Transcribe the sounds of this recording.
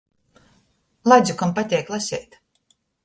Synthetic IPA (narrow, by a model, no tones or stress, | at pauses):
lˠad̪zʲukampat̪ʲɛjklˠasʲɛjt̪